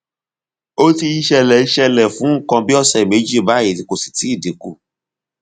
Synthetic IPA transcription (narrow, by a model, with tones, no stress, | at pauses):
o˦ti˧i˦ʃɛ˧lɛ˨i˦˧ʃɛ˧lɛ˨fũ˨˦ŋ̩˦˨kɔ̃˧bi˦ɔ˦˨sɛ˨me˨˦d͡ʒi˦˨ba˦˨e˨ti˧ko˨si̥˨ti˨˦i˦˨de˨˦ku˦˨